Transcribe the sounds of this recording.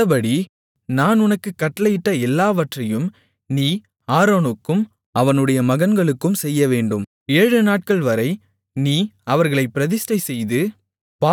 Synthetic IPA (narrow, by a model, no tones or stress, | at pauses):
ɐbɐɽi | naːnʊnɐkːɯkːɐʈːɐlɐjɪʈːɐɛlːaːʋɐʈrɐjɯm | niː | aːɾoːnokːɯm | ɐʋɐnɯɽɐjɐmɐɣɐnɡɐɭɯkːɯmsɛjːɐʋeːɳɖɯm | eːɻɯnaːʈ̚kɐɭʋɐɾɐɪ | niːɐʋɐɾɣɐɭɐɪpːɪɾɐðɪsʈɐɪsɛjðɯ | paː